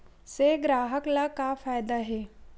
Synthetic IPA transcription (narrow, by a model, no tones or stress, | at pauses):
seɡɾaːɦəklakafaːjd̪aɦɛː